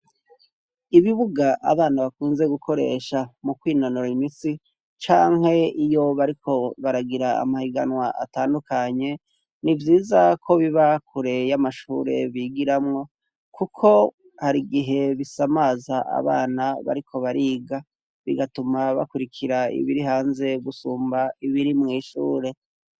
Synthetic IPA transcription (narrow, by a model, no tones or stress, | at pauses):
iβiβuɡaʔa̰βaːnaβakuːnze̞ɡukʰo̞ɾe̞̰ʃamukwiːno̞noɾaimisi | t͡ʃaːŋhe̞ijo̞βaɾikʰo̞βaɾaɡiɾaa̰mahiɡanwaʔa̰taːndukaɲe̞ | nivjiːzakʰo̞βiβakʰuɾe̞jamaʃuɾe̞̰βiːɡiɾamŋo̞ | kʰukʰo̞ | haɾiɡiɦe̞βisamaːzaʔa̰βa̰ːnaβa̰ɾikʰo̞βaɾiːɡa | βiɡatumaβa̰kuɾikʰiɾaḭβiɾiɦaːnze̞ɡusuːmbaiβiɾimŋiːʃṵːɾe̞